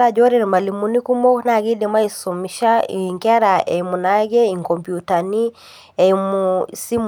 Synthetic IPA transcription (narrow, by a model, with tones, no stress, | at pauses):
ɾa˨d͡ʒɔ˦ɾɛ˦˨ni˨ma˨li˨mu˨ni˦ku˦mɔ˦na˨ɡi˦dɛ˨ma˦isɔ˨mi˨ʃa˦ḭŋka˦ɾa˨ʔɛ˨imu˨na˦ɡɛ˦i˨ŋkɔ˨mpju˨ta˨ni˦ | ɛ˨imusi˦m